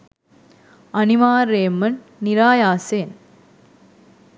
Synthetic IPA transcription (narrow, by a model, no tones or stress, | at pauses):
ɐnimaːɾeːmɐnːiɾaːjaːseːn